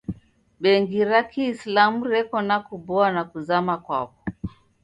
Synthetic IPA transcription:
ɓɛŋɡiɾakiːslamuɾɛkɔnakubɔanakuzamakwa̰pɔ̥

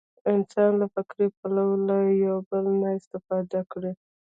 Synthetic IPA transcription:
ɪnsɑnlafɪkɾepalawəlajawbəlnaɪst̪ɪfɑd̪akɽi

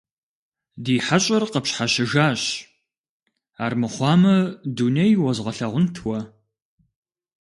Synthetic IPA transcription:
diːħaɕʼɐrqəpɕħaɕɪʒaːɕ | aːrmɨχʷɑːmɐduːnejwɔzʁɐɬɐʁʷʊntʰwɐ

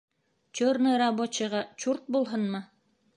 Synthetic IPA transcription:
t͡ɕoɾnɤɾabot͡ɕɤ̆ʁɑt͡ɕuɾt̪̚bulˠɦɤnmɤ

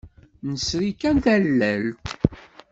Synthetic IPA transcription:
nəsɾikænθælːæl

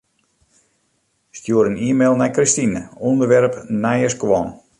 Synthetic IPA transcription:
stjuəɾəniəmeːlˠnɛjkrɪstinəundərʋɛɾpnɛjəskwɔn

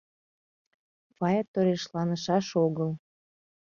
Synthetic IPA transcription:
pɑjɑt̪ːoɾeʃlɑnəʃɑʃoɣəl

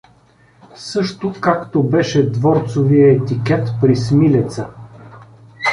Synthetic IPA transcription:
sɤʃt̪okakt̪obɛʃɛd̪vɔɾt̪sovijəɛt̪ikɛt̪pɾismilʲɛt̪sə

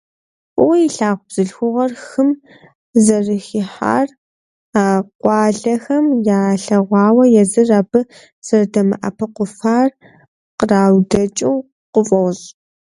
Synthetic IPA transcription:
ʔʷʼʊwjiɬaːʁʷʊb̥z̥ɨɮxʷʊʁɐrxɨm | zɐrɨxiħa̰ːr | aːqʷʼɑːɮɐxɐmjaːɬɐʁʷɑːwɐjɛzɨrabɨ | z̥ɐrdɐmɨ̰ʔɐ̰pʰɐqʷʊfaːr | qəraːwdɐt͡ʃʼɪw | qʊfʼɔwz

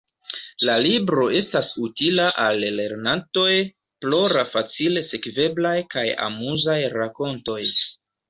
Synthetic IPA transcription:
lalibɾo̞e̞stasutilaʔalːe̞ɾnanto̞j | plo̞ɾafat͡sile̞se̞kve̞blajkaja̰muzajɾako̞nto̞j

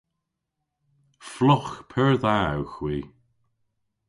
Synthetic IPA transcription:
flɔxpʰəɹðawxwiː

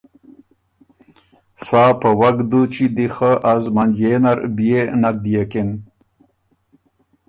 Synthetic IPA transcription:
saːpəwaɡd̪ut͡ʃid̪ixəʔazmand͡ʒenaɾbijenak̚d̪ijeken

